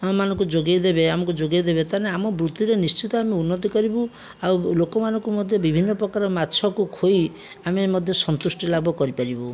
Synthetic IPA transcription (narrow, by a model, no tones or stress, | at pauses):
manɔ̃ŋkud͡ʒoɡajd̪ebeamɔkud͡ʒoɡajd̪ebet̪aneamɔbɾut̪ːiɾenist͡ʃit̪ɔameunːɔt̪̬ikɔɾibu | awlokɔmanɔŋkumɔd̪ʱjɔbibʱinːɔpɾɔkaɾɔmatːt͡ʃʰɔkukʰoj | amemɔd̪ʱjɔsɔnt̪usʈɔlabʱɔkɔɾipaɾibu